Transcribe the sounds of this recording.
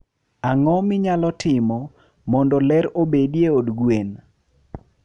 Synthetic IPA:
aŋɔmɪɲalɔtʰɪmɔ | mɔndɔlɛɾobedjeodɡwen

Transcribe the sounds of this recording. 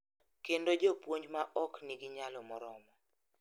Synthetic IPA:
kendod͡ʒɔpwoɲd͡ʒmaʔɔkniɡiɲalɔmɔɾɔmɔ

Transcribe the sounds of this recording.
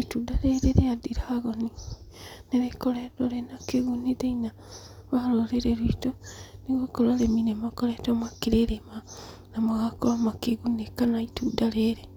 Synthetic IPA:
itudaɾeɾeɾeadiɾaɣoni | neβekoɾedoɾenakeɣunideina | βaɾoɾeɾeɾwitoniɣokoɾaɾeminemakoɾetomakiɾeɾema | namaɣakoamakeɣunekanaitudaɾeɾe

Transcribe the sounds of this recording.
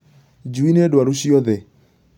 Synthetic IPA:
d͡ʒuinedwaɾuʃiɔðɛ

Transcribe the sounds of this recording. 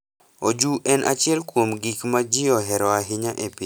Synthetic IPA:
od͡ʒuʔɛnʔa̰t͡ʃɪɛlkwomɡikmad͡ʒiɔɦɛɾɔaɦɪɲaʔepi

